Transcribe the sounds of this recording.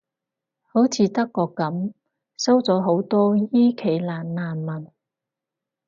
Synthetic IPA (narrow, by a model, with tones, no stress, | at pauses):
ho˨˥wt͡sʰiː˨˧t̪ɐ˥kːɔː˧kːɐ˨˥m | sɐ˥wt͡sɔː˨˥ɦo˨˥wt̪ɔː˥jiː˥kʰe˨˧jlaː˨nlaː˨˩nmɐ˨˩n